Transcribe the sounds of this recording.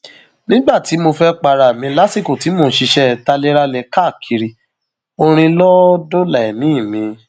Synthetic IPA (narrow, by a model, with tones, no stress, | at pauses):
nĩ˦ɡ͡ba˦˨ti˨˦mo˧fɛ˦k͡pa˧ɾa˨mĩ˨˧˦la˦si˦˨ko˨ti˨˦mo˧˦ʃi˧ʃɛ˦ta˧le˦ɾa˧lɛ˨ka˦˨kʰi˧ɾi˧ | o˧ɾ̃ĩ˧lɔ˦do˦la˨ɛ˨mĩ˨˦i˦˨mĩ˨˧